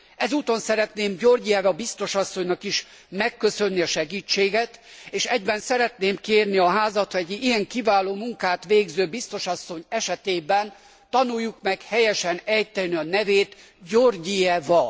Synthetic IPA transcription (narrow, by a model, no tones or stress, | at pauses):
ɛzuːt̪o̞nsɛɾɛt̪neːmɟorɟijɛvɒbist̪o̞ʃɒsːo̞ɲnɒkiʃ | mɛkːø̞sønːiɒʃɛɡiːt͡ʃːeːɡɛt̪eːʃɛɟbɛnsɛɾɛt̪neːmkeːrniɒɦaːzɒt̪ɛɟijɛŋkivaːloːmuŋkaːt̪ʋeːɡzøːbist̪o̞ʃɒsːo̞ɲɛʃɛt̪eːbɛn | t̪ɒnujːukmɛkhɛjɛʃɛnɛjt̪ɛlniɒnɛveːt̪ | ɟorɟijɛvɒ